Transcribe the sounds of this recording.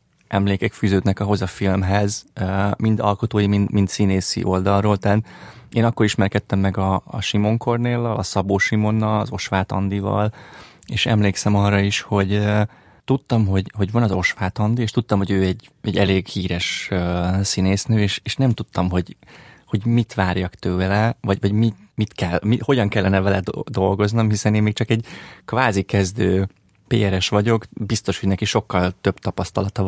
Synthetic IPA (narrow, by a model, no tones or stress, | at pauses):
ʔɛmleːkɛkfyːzøːd̪nɛkɒɦo̞zɒfilmɦɛzmind̪ɒ̰lko̞t̪oːjimint̪mint̪sineːsḭʔo̞ld̪ɒlroːlt̪aːt̪eːnɒkːo̞ɾiʃmɛrkɛt̪ːɛmːɛɡɒ̰ːʃimo̞ŋkʰo̞rneːlːɒlɒsɒboːʃimo̞nːɒlɒ̰zo̞ʃʋaːt̪ɒ̰nd̪ivɒ̰l | eːʃɛmleːksɛmɒrːɒiʃho̞ɟ | t̪ut̪ːɒmɦo̞ɟho̞ɟvɒnɒzo̞ʃʋaːt̪ɒnd̪ieːʃt̪ut̪ːɒmɦoɟøːɛɟː | ɛɟːɛleːɡhiːɾɛʃøːsineːsnøːeːʃeːʃnɛmt̪ut̪ːɒmɦo̞ɟho̞ɟmit̪ʋaːrjɒkt̪øːlɛvɒɟvɒɟmimit̪kɛlmiho̞ɟɒŋkɛlːɛnɛvɛlɛd̪d̪o̞lɡo̞znomhisɛneːmeːk̚t͡ʃɒkɛɟkvaːzikɛzd̪øː | peːɛɾɛʃʋɒɟo̞kbist̪o̞ʃhonɛkiʃo̞kːɒlt̪ø̞b̥t̪ɒpɒst̪ɒlɒt̪ɒ